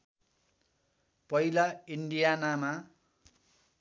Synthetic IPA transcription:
pʌjlaiɳɖijanama

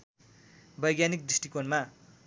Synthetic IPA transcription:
bʌjɡjanik̚d̪ɾisʈikonma

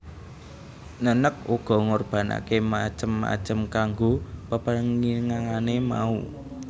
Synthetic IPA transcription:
nənək̚uɡ̥ɔ̤ŋorb̥ä̤na̰kemḁt͡ʃəmːa̰̥t͡ʃəmkaŋɡopəpəŋiŋaŋanema̰u

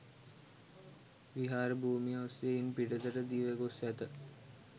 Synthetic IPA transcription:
ʋiɦaːɾəbʱuːmioseinpiɖəd̪əɾəd̪iʋeɡosæt̪ə

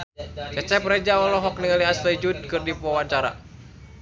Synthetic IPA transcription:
t͡ʃət͡ʃɛprɛd͡ʒaɔlɔɦɔk̚niŋaliastɛd͡ʒud̪̚kɨrdipawaɲt͡ʃaɾa̰

